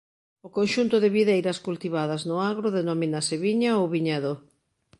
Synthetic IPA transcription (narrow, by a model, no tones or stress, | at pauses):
ʊkonʃunt̪ʊðɪβiðejɾɐskult̪iβaðɐznʊaɣ̞ɾoðenominaseβiɲaowβiɲaðo